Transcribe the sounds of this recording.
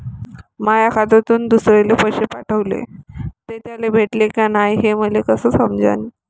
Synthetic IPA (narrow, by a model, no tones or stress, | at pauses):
majakʰad̪at̪uːnd̪usɾelepəɕepaʈʰəʋlḛt̪et̪jalebʱeʈlekanajɦeməlekəsəːsəmd͡ʑʱa̰ni